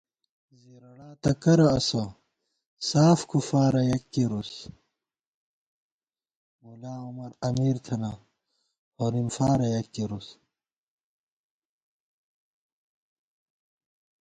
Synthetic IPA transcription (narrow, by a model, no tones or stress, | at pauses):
ziɾɐɽaːt̪ɐkɐɾɐɐsɐ | saːfkʰufaːɾɐjɐkːiɾus | mulaːumɐɾɐmiːɾt̪ʰɐna | hoɾimfaːɾɐjɐkːiɾus